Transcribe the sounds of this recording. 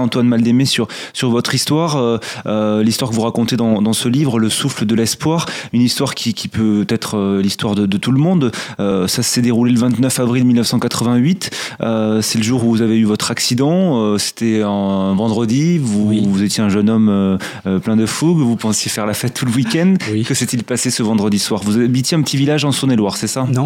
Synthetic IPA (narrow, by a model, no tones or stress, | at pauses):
ɑ̃t̪wanmald̪emesyʁsyʁvɔt̪χist̪waʁø | list̪waʁkəvuʁakɔ̃t̪ed̪ɑ̃d̪ɑ̃səlivʁələsufləd̪əlɛspwaʁynist̪waʁkʲikʲipøt̪ɛt̪χəlist̪waʁd̪əd̪ət̪uləmɔ̃d̪øsassɛd̪eʁuleləvɛ̃t̪nœfavʁilmilnəfsɑ̃kat̪χəvɛ̃ɥit̪øsɛləʒuʁuvuzaveyvɔt̪χaksid̪ɑ̃øse̥t̪ʰɛɛ̃vɑ̃d̪ʁəd̪ivuvuzet̪jeɛ̃ʒənɔmøː | plɛ̃d̪əfuɡvupɑ̃sjefɛʁlafɛt̪ʰːuləwikʲɛnd̪kəsɛt̪ilpasesəvɑ̃d̪ʁəd̪iswaʁvuzaabit̪eɛ̃pət̪ivilaʒɑ̃sunelwaʁsɛsañ